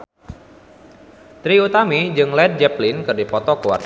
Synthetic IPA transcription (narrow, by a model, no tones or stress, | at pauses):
t̪ɾiut̪amid͡ʒɨŋlɛd̚d͡ʒɛplinkɨrdipɔt̪ɔkəwa̰rt̪